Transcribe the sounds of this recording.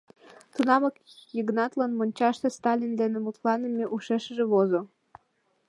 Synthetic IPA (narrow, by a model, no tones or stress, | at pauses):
t̪unɑmɤkjiɡnɑt̪lɑnmonʲt͡ɕɑʃt̪est̪ɑlʲind̪enĕmut̪lɑnə̆meʔuʃeʃəʒĕβozo